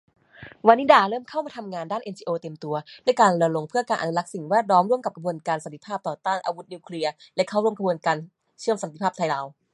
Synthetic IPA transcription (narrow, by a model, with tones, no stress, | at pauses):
wa˧nːiː˦˥daː˧˩ɾɤː˥˩mkʰa˥˩wmaː˧t̪ʰa˧mŋaː˧ndaː˥˩nʔe˧nt͡ɕiː˧ʔoː˧t̪e˧mt̪u˧ɐlɛ˦˥kaː˧nlɯ˧lo˧ŋpʰɯ˥˩ɐkaː˧nʔnu˧la˦˥k̚si˨˩ŋwɛː˥˩t̪̚lɔː˦˥mɾu˥˩əmka˨˩p̚kʰa˧bu˧ənkaː˧nsa˨˦nt̪ʰi˧˩pʰaː˥˩p̚t̪ɔː˨˩t̪aː˥˩nʔa̰ː˧wu˦˥t̪̚niː˧wkʰli˧ɐlɛ˦˥kʰa˥˩wɾu˥˩əmkʰa˧bu˧ənkaː˧n | t͡ɕʰɯ˥˩əmsa˦t̪i˧˦pʰaː˥˩p̚t̪ʰa˧jlaː˧˩w